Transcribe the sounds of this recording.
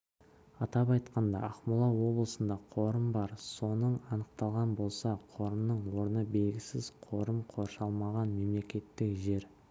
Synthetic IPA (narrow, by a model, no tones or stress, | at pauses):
ɑt̪ɑpɑjt̪qɑnd̪ɑ̰ɑχmʊlˠɑwo̞blˠəsənd̪ɑqʰo̞ɾəmbɑɾso̞nəɴɑnəq̚t̪ɑlˠʁɑnbo̞lˠsɑqʰo̞ɾəmnəɴwo̞ɾənəbe̞lɡʲɪsɪz̥qʰo̞ɾəmqʰo̞ɾʃɑlˠmɑʁɑnme̞mle̞kʲe̞t̪ːɪkʒe̞ɾ